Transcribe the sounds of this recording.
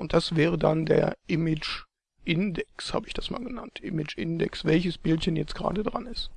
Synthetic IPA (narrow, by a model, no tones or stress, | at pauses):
ʔʊnt̚d̥asv̥ɛːʁ̞ədandḛːɐʔɪmɪd͡ʒ | ʔɪndɛksha̰ːbəɪçd̥asma̰ːlɡəna̰ntʰʔɪmɪt͡ʃɪndɛ̰ksv̥ɛlçəsb̥ɪltçənjɛt͡stɡ̥ʁa̰ːdədʁanɪst